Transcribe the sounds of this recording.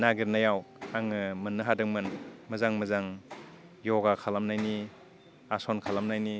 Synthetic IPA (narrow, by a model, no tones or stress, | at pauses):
naɡiɾnajawaŋɯmɯnːɯɦadɯŋmɯnmɯzaŋmɯzaŋ | jɔɡakʰalamnajni | asɔnkʰalamnajni